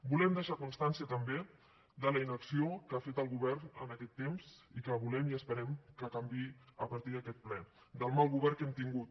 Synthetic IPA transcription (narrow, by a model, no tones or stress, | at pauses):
bulɛmd̪əʃakunst̪ansiət̪əmbe | d̪ələinəksiokafet̪əlˠɣuβɛrnənəkɛt̪ːemz̥ikəβulɛmiəspəɾɛmkəkambiəpəɾt̪iðəkɛt̪̚plɛ | d̪əlˠmalˠɣuβɛrkɛmt̪iŋɡut̪̚